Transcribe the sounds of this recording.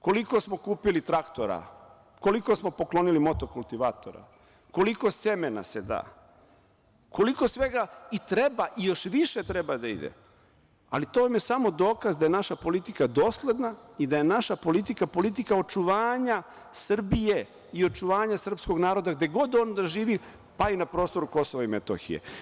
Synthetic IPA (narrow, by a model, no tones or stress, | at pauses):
ko̞liko̞smo̞kuːpilit̪ɾakt̪o̞̰ɾa̰ | ko̞liko̞smo̞po̞klo̞nilimo̞t̪o̞kulˠt̪iʋat̪o̞̰ɾa̰ | ko̞liko̞se̞mena̰se̞d̪a̰ː | ko̞liko̞sʋe̞ɡait̪ɾebaʔijo̞ʃʋiʃet̪ɾebad̪aḭd̪ḛ | a̰lit̪oamjesamo̞d̪o̞ːkazd̪aje̞naʃapo̞lit̪ikad̪o̞ːsle̞d̪naid̪aje̞naʃapo̞lit̪ikapo̞lit̪̬ikao̞t͡ʃuʋaːɲa | sr̩bije̞ | io̞t͡ʃuʋaːɲasr̩psko̞ɡnaːɾo̞d̪aɡd̪e̞ɡo̞d̪o̞ːnd̪aʒiːʋi | painapɾo̞ːst̪o̞ɾuko̞so̞ʋaimet̪o̰xḭjḛ